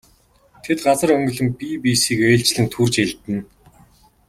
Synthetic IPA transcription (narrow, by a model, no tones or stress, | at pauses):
t̪ʰet̪ɢat͡sə̆ɾœŋɡɵ̆ɮɵ̆mpiːpiːsiːkeːɬt͡ɕɮɘ̆nt̪ʰurt͡ɕeɮt̪ɘ̆n